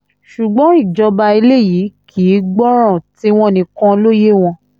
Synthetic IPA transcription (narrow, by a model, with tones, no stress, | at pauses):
ʃu˨ɡ͡bɔ̃˨˦i˦˨d͡ʒɔ˧ba˧i˧le˦˨ji˨˦kʰiː˨˦ɡ͡bɔ˦ɾ̃ã˦˨ti˦w̃ɔ̃˦˨nĩ˧kã˦lo˦je˦w̃ɔ̃˧